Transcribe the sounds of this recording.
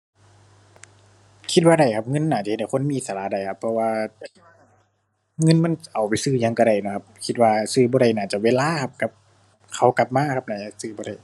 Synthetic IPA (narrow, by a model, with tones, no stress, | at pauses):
kʰi˧˦t̪̚waː˧da˧˩jkʰa˧˥p̚ŋɤ˧˥˨nːaː˧˩t͡ɕa˨˧ht̪̚ːjkʰo˧˥˨nmiː˧˨˧saː˨˩la˧˥da˧˩jkʰa˧˥pʰːɔ˧waː˧ | ŋɤ˧˥˨nma˧˥˨nʔa˨˩wpa˨jsɯː˧ɲa˧˨ŋka˧˩ɾa˧˩jnɔ˧˩kʰa˧p̚kʰi˧t̪̚waː˧sɯː˧˩bɔː˧ɾa˧˩jnaː˧˩t͡ɕa˧˩weː˧˨laː˧˥˨kʰa˧˥p̚ka˧˥p̚ | kʰa˧˩wka˧˦p̚maː˧˥kʰa˧˥p̚na˧˩ja˧˩sɯː˧˩bɔː˧ɾa˧˩j